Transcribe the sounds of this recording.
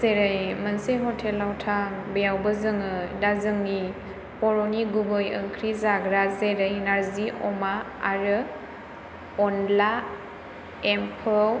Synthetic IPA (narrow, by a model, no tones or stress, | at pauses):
zeɾɯjmənseɦɔtʰelːawtʰaŋbejawbɯzɯŋɯdazɯŋɡi | pɔɾɔniɡubɯjɯŋkʰɾizaɡɾazeɾɯjnaɾziʔɔ̰ma | aɾɯ | ɔnla | empʰɔ